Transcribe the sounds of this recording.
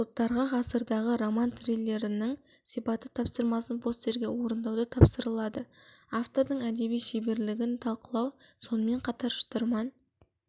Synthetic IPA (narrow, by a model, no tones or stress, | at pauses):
t̪ʰop̚t̪ːɑɾʁɑʁɑsəɾd̪ɑʁəɾo̞mant̪relʲːe̞ɾɪnɪŋ | sijpɑt̪ət̪ʰɑpsəɾmɑsənpʰost̪e̞ɾɡʲe̞wo̞ɾənd̪ɑwd̪ət̪ʰɑpsəɾəlˠɑd̪əaft̪o̞ɾd̪əɴæd̪e̞bijʃebe̞ɾlɪɡʲɪnt̪ʰɑlˠqəlˠɑwso̞nəme̞ɴqʰɑt̪ɑɾʃə̥t̪əɾmɑn